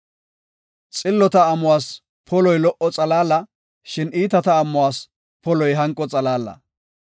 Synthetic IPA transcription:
t͡sʼɪlːɔt̪ɐːmʊwaːs | pʰɔlɔjlɔʔɔt͡sʼɐlaːlɐ | ʃɪniːt̪ɐt̪ɐːmːʊwaːs | pɔlɔjɦɐŋkʼːɔt͡sʼɐlaːlɐ̰

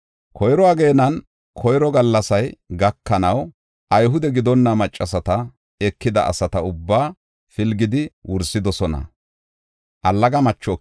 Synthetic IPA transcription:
kʰɔjɾɔaːɡe̞ːnɐn | kʰɔjɾɔɡɐlːɐsɐjɡɐkːɐnɐw | ʔɐjɦʊd̪ɛɡɪd̪ɔnːɐmɐt͡ʃʼːɐsɐt̪ɐ | ɛkːɪd̪ɐʔɐ̰sɐt̪ɐʊbːaː | fɪlɡɪd̪ɪwʊɾsɪd̪ɔsɔnɐ̰ | ʔɐlːɐɡɐmɐt͡ʃːɔ

